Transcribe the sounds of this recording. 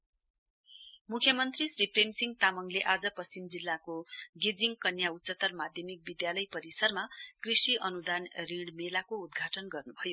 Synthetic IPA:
mukʰjʌmʌnt̪risripʰremsiŋɡt̪amʌŋleʔad͡zʌpʌst͡simd͡zilːakoɡed͡ziŋkʌnjaut̪sʌt̪ːʌrmad̪ʱjʌmik̚bid̪jalʌjpʌɾisʌrmakrisiʔʌnud̪anriɽmelakoud̪ɡʱaʈʌnɡʌrnubʱʌjo

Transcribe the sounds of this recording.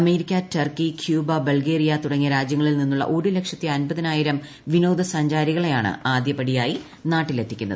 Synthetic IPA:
ɐme̞ːɾikʲːatɐrkikʰjuːbɐbɐlɡe̞ːrijɐt̪uɽɐŋːijɐɾaːd͡ʑjɐŋːɐɭilninːuɭːɐ̰ʔoːɾilekʂɐt̪ːiɐnbɐðɐnaːjiɾɐm | ʋinoːd̪ɐsɐɲd͡ʑaːɾiɣɐɭejaːɳɨ̰aːd̪jɐpɐɽijaːji | naːʈːilet̪ʰːikʲːunɐ̰ðɨ

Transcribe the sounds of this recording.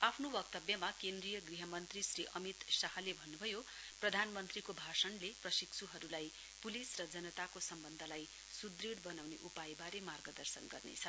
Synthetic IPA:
apʰnobʌk̚t̪ʌbjʌmakend̪rijʌɡriɦʌmʌnt̪risriʔʌmit̪saɦʌlebʱʌnːubʱʌjo | prʌd̪ʱanmʌnt̪rikobʱasʌnleprʌsiksʰuɦʌɾulaj | pulisrʌd͡zʌnʌt̪akosʌmbʌnd̪ʱʌlaj | sud̪riɽbʌnawneʔupajbaɾemarɡʌd̪ʌrsʌnɡʌrnḛt͡sʰʌ

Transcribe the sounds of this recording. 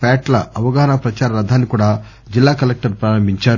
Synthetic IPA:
pɛːʈlɐʔɐʋɐɡaːɦɐnapɾɐt͡ʃaːɾɐɾɐd̪ʱːaːnːikuːɽaː | d͡ʒilːaːkɐlek̚ʈɐɾpɾaːɾɐmbʱiɲt͡ʃaːɾu

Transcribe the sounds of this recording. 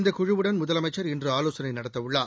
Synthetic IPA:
nd̪ɐkʊɻɯʋɯɽɐnmʊðɐlɐmɐɪt͡ʃːɐɾɪndrɯaːloːsɐnɐɪnɐɽɐt̪ːɐʋʊɭːaː

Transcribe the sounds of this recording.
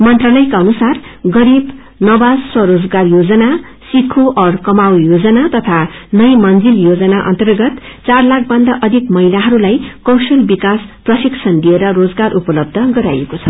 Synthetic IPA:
mʌnt̪ralʌjkaʌnusarɡʌɾib | nʌbad͡zswʌɾod͡zɡarjod͡zʌna | sikʰoʔʌrkʌmawjod͡zʌnat̪ʌt̪ʰanʌjmʌnd͡ziljod͡zʌnaʔʌ̰nt̪ʌrɡʌt̪t͡sarlak̚ʰbʌnd̪aʔʌd̪ʱikmʌɦilaɦʌɾulajkʌwsʌlbikasprʌsiksʰʌnd̪ieɾʌrod͡zɡarʔupʌlʌb̚d̪ʱʌɡʌɾa̰jekot͡sʰʌ

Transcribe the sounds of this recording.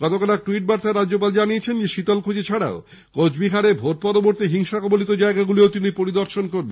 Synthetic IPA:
ɡ̥ɔt̪okalaʈuiʈ̚baɾt̪aeɾad͡ʑd͡ʑop̬ald͡ʑaniet͡ɕʰend͡ʑeʃit̪olkʰod͡ʑit͡ɕʰaɽa̰o | kod͡ʑbiɦaɽebʱoʈ̪̚pɔɾoboɾt̪iɦiŋʃakɔbolit̪od͡ʑaeɡaɡuleot̪inipoɾid̪ɔɾʃonkoɾben

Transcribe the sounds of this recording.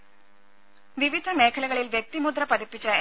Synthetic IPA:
ʋiʋid̪ʱɐmeːkʰɐlɐɣɐɭilʋjɐk̚t̪imud̪rɐpɐðipːit͡ɕːɐe

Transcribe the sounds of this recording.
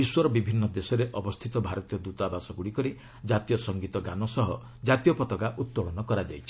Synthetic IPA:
iswɔɾɔbibʱinːɔd̪esɔɾeʔɔbɔst̪ʰit̪ɔbʱaɾɔt̪ijɔd̪ut̪abasɔɡuɽikɔɾi | d͡ʒat̪ijɔsɔŋɡit̪ɔɡanɔsɔɦɔ | d͡ʒat̪ijɔpɔt̪ɔkaʔut̪̚ːɔɽɔnɔkɔɾad͡ʒajt͡ʃʰi̥

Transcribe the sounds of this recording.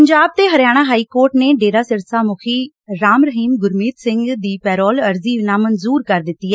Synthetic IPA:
əɲd͡ʒaːb̚t̪eːɦəɾjaːɽ̃aːɦaːiːkoːɾʈneːɖeːɾaːsɪɾsaːmʊkʰiː | ɾaːmɾəɦiːmɡʊɾmiːt̪sɪŋɡd̪iːpɛːɾɔːləɾziːʋnaːmənzuːɾkəɾd̪ɪt̪ːiːɦɛː

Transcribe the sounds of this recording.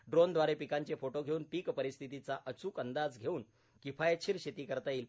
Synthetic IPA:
ɖɾond̪ʋaɾepikaɲt͡ɕefoʈoɡʱeuːnpiːkpəɾist̪ʰit̪it͡saʔət͡suːkənd̪ad͡zɡʱeuːn | kifajt͡ɕʰiɾɕet̪iːkəɾt̪aiːl

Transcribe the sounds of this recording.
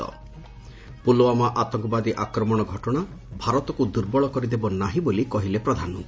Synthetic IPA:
ɔ̰ | puloamaʔat̪ɔŋkɔbad̪iʔakɾɔmɔɽ̃ɔɡʱɔʈɔɽ̃a | bʱaɾɔt̪ɔkud̪uɾbɔɭɔkɔɾid̪ebɔnaɦibolikɔɦilepɾɔd̪ʱanɔ

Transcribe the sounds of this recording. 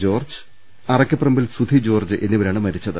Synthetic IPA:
d͡ʑo̞ːrd͡ʑɨ̥ | ɐrɐkʲːɐpːrɐmbilsud̪ʱid͡ʑo̞ːrd͡ʑɨʔe̞nːiʋɐɾaːɳɨmɐɾit͡ɕːɐðɨ

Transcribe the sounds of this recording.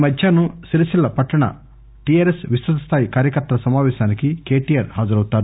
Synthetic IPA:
mɐd̪jaːnusiɾɐsilːɐpɐʈːɐɳɐ̰ | ʈijaːɾesʋisʋɐt̪ɐst̪ʰaːjikaːɾjɐkɐɾt̪ːɐlɐsɐmaːʋɛːʃaːnikike̞ːʈijaːɾhaːd͡ʒɐɾɐwt̪aːɾu

